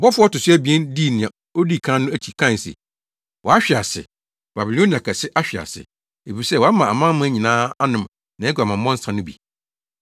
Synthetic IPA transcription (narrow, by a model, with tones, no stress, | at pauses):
bɔ˦fʊ˦ɔ˦tʊ˨sʊ˦æ˦bi˨ɛ˦ndi˦˨nɪ̃˨ã˨ | o˦di˦˨kʰã˦nʊ̃˦æ˦tʰi˨kʰã˦˨n˨sɛ̰˨ | wʔɔ˨a˦ɕᶣi˨a˨sɪ̰˨ | b̥a˨bi˨lõ˦n˦˨a˨kʰa˨sɪ˦ʔa˦ɕᶣi˨a̰˨sɪ̰˨ | e˨fi˨sɛ˦˨wɔ˨˦a˦mã˨a˨mã˦mʊ̃˦æ˦ɲĩ˨nãː˦a˦nʊ̃˨m | nã˨ɛ˦ɡʷa˨mã˨m˦mɔ̃˦n̩˦sã˨nʊ̃˦bḭ˨